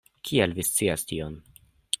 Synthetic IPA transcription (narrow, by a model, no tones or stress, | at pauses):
kʰielvist͡siastion